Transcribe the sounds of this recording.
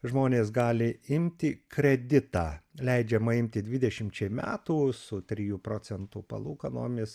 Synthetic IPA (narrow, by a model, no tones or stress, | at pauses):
ʒmoːnʲeːsɡɑːlʲɪɪmʲt̪ʲɪkɾʲɛd̪ʲɪt̪ɑːlʲɛɪd͡ʒʲɛmɐɪmʲt̪ʲɪd̪ʲʋʲɪd̪ʲɛʃʲɪmʲt͡ʃʲɛɪmʲæ̰ːt̪uːsʊt̪ʲɾʲijuːpɾoːt͡ssʲɛnt̪uːpɐ̰lˠuːkɐno̰ːmʲɪs